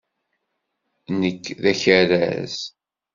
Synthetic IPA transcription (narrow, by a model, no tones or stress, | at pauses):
nəkːðæçəɾæ̰z